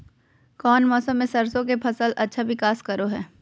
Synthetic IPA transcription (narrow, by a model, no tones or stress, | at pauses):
kɔːnmɔːsə̃mːẽsɐɾsõk̬epʰɐsəlɐtːʃʰaʋɪkaːskɐɾoɦɛː